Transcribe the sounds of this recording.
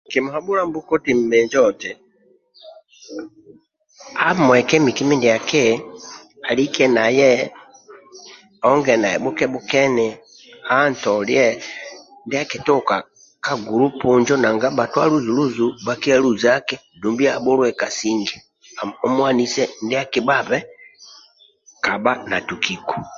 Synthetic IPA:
ki˨mu˨habu˦la˦mbu˦kɔ˦ti˨m̩˨mɛ˨ɲd͡ʒɔtɛ | a˦mwɛ˨kɛmi˨ki˦mi˦ndi˨a˨kɛ | a˨likɛna˨jɛ | ɔŋɡɛ˨na˨jɛ˨bu˦kɛ˦bu˦kɛ˦nɛ | a˦ntɔljɛ | ndɛ˦a˦kɛ˨tɔ˦ka˨ | ka˦ɡu˨ɾu˦pu˨ɲd͡ʒɔ˦na˨ŋɡa˦ba˨twa˦lu˦zu˨lu˦zu˨ba˦ki˦a˦lu˦za˦kɛ˦ | du˨mbi˦a˨bɔ˦lwɛ˨ka˨siŋɡi | ɔ˦mwa˦ni˦sɛndɛa˦ki˨ba˦βɛ˦ | ka˨ba˦na˨tu˨ki˨ku̥˨

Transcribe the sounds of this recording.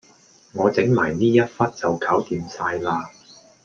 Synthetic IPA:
ŋɔː˨˧t͡sɪ˨˥ŋmaː˨˩jniː˥jɐ˥t̚fɐ˥t̚t͡sɐ˨wkʰaː˨˥wt̪iː˨msaː˧jlaː˧

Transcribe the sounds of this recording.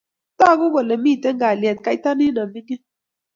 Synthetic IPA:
ta˦˨ɡu˦ɡɔ˨lɛ˨miː˦˨te˦ŋɡa˨ljɛ˨t̪̚ka˦jta˦ni˦na˨mi˦ŋi˦

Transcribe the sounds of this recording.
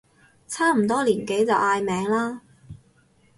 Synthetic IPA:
t͡sʰaː˥m̩˨˩t̪ɔː˥liː˨˩nke˨˥jt͡sɐ˨wʔaː˧jmɛː˨˥ŋlaː˥

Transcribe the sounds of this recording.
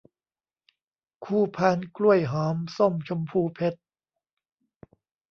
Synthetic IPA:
kʰuː˧˩pʰaː˧nklu˥˩əjɦɔː˩˦mso˥˩mt͡ɕʰo˧mpʰuː˧pʰe˦˥t̪̚

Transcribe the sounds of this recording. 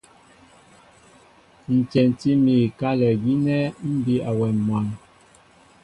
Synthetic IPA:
n̩˨t͡ʃɛ˨n˨ti˦mi˨ka˦lɛ˨ɡi˦nɛ˦m̩˦bi˦a˨wɛ˨mwa˨n

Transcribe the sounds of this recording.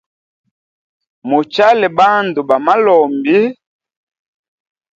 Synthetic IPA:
mo˨t͡ʃa˦lɛ˨ba˦n˨du˨ba˨ma˦lɔ˨mbi˦

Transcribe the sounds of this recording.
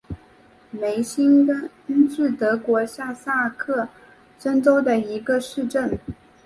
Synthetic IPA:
me˧˥ɪɕi˥nkə˥ | ʈ͡ʂɻ̩˥˩t̪ɤ˧˥kwɔ˧˥ɕja˥˧sa˥˧kʰɤ˥˩ | ʂə˥nt͡so˥ʊd̪ə˨i˧˥ɡə˧ʂɻ̩˥˧ʈ͡ʂə˥˩n

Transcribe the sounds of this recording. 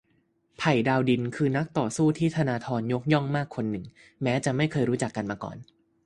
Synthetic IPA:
pʰa˨˩jdaː˧wdi˧nkʰɯː˧na˦˥k̚t̪ɔː˨˩suː˥˩t̪ʰiː˥˩t̪ʰa˧naː˧t̪ʰɔː˧njo˦˥k̚jɔ˥˩ŋmaː˥˩kʰːo˧nːɯ˨˩ŋ | mɛː˦˥t͡ɕa˨˩ma˥˩jkʰɤː˧jɾuː˦˥t͡ɕa˨˩kːa˧nmaː˧kɔ̰ː˨˩n

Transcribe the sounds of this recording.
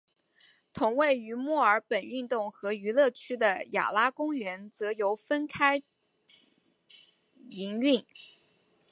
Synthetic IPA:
t̪ʰʊ˧˥ŋwe˥˩ɪy˧˥mɔ˥˩ə˞˧˥pə˨˩ny˥˧nt̪ʊ˥˩ŋxɤ˧˥y˧˥lɤ˥˩t͡ɕʰy˥d̪ə˨ja̰˨˩la˥kʊ˥ŋɥɛ˧˥nt͡sɤ˧˥jo˧˥ʊfə˥nkʰa˥ɪ | i˧˥ŋy˥˩n

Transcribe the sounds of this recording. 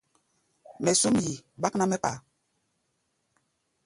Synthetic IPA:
mɛ˨su˦mji˨ɓa˦kna˦mɛ˦k͡pa̰˨

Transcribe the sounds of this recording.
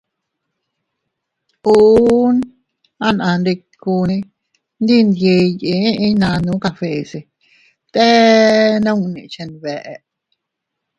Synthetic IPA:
uː˧˦n | ã˧nʔã˧nɾe˧ | kuː˧nẽ˧ | nd̪i˦˨nd̪je˧jẽ˨˦ʔĩ˧˦nã˧nũ˨˦ka˧fe˨se˨ | t̪ɛː˦nə̃˦ŋnḛ̃˨t͡ʃẽ˧nβɛ˨ʔɛ˧ʔ

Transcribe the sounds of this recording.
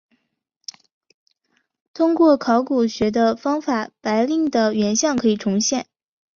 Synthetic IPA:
t̪ʰʊ˥ŋkwɔ˥˩kʰɑ˧˥ʊku˨˩ɕɥɛ˧˥d̪ə˧fɑ˥ŋfa˨˩˦pa˧˥ɪli˥˩ŋd̪ə˩ɥɛ˧˥nɕjɑ˥˩ŋkʰɤ˧˥i˨˩ʈ͡ʂʰʊ˧˥ŋɕjɛ˥˩˦n

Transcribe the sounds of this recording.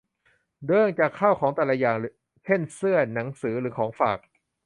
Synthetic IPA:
dɤː˧˥ŋt͡ɕa˨kʰːa˥˩wkʰɔː˩˦ŋt̪ɛː˨˩lɛ˧˥jaː˨˩ŋ˦ | t͡ɕʰe˥˩nsɯ˥˩ɐna˩˦ŋsɯː˩˦ɾɯː˩˦kʰɔː˩˦ŋfa̰ː˨˩k̚

